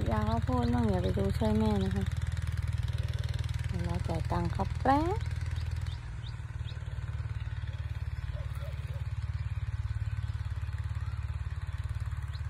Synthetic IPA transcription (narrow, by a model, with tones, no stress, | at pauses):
jaː˨˩k̚waː˧pʰoː˥˩˨t̪̚naː˥˩ŋjaː˨˩k̚pa˨˩jduː˧t͡ɕʰu˥˧˩jmɛː˧˨na˧kʰa˦˥ | a˧˩laː˧˩t͡ɕa˨˩jt̪a˧˩ŋkʰa˧ppɾɛː˧˥˦